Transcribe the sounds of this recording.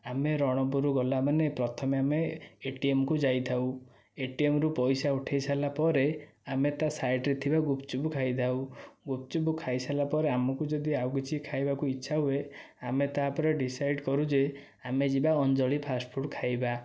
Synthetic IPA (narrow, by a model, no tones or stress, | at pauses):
ameɾɔɽ̃ɔpuɾuɡɔlamanepɾɔt̪ʰɔmeameːʈiemɔkud͡ʒajt̪ʰaw | eʈiemɔɾupɔjsauʈʰejsalapɔɾe | amet̪asajʈɾet̪ʰibaɡupt͡ʃubukʰajd̪ʰʱawɡupt͡ʃubukʰajsalapɔɾeamɔkud͡ʒɔd̪iawkit͡ʃʰikʰajbakuitːʃʰaɦue | amet̪apɔɾeɖisajɖkɔɾud͡ʒe | amed͡ʒibaɔnd͡ʒɔɭipʰaspʰuʈkʰajba